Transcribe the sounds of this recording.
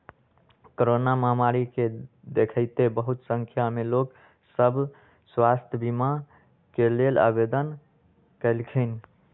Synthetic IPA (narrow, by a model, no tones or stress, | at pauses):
koɾonaməɦmaɾike | d̪ekʰəɪt̪ebəɦut̪səŋkʰjamelok | səbʱ | swast̪ʰjəbima | kelela̰bed̪ən | kəlkʰən